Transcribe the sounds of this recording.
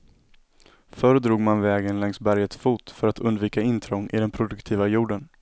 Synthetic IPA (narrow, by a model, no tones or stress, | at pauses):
fœɾəd̪ɾuːɡmanvɛːɡənlɛŋsbæɾjət̪sfuːt̪fœɾat̪ʰɵnd̪viːkaɪnt̪ʰɾɔŋːʔɪ̰d̪ɛnpʰɾʊd̪ɵkt̪ʰiːvajuːɖən